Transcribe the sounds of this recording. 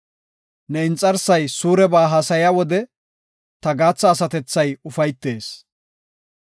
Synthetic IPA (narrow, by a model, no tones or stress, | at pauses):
nɛɪnt͡sʼːɐɾsɐjsuːɾɛbaːɦaːsɐjawɔd̪ɛ | t̪ɐɡaːt͡sːɐːsɐt̪ɛt͡sːɐjʊfɐjt̪ːe̞ːs